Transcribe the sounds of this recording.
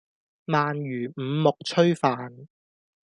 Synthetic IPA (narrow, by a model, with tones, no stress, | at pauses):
maː˨njyː˨˩m̩˨˧mʊ˨k̚t͡ʃʰɵ˥ɥfaː˨n